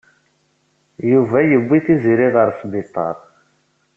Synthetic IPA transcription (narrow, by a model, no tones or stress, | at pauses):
juvæjəbʷːiθiziɾiðəɾˤsbit̪ˤːɑ̰ɾˤ